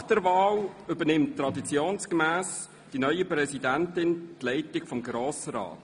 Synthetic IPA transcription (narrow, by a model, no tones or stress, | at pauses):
χd̥əɾvɑːlʏbənɪmttːrɑdit͡sjoːnskəmæːs | d̥inœʏəpɾɛsidæntɪntlɛɪtɪɡfɔmɡɾoːsəɾɑ̰ːt